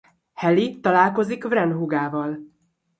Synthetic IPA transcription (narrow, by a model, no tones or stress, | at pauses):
hɛlit̪ɒlaːlko̞zikvrɛnɦuɡaːvɒl